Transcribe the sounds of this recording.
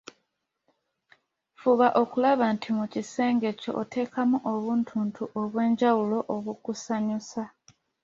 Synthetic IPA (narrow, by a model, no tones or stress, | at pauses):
fuβaʔo̞kulaβantʰimucise̞ːŋɡe̞co̞̰ʔːtʰe̞ːkamuʔoβuːntʰuːntʰuʔoβwe̞ːɲɟawulo̞ʔoβukusaɲusa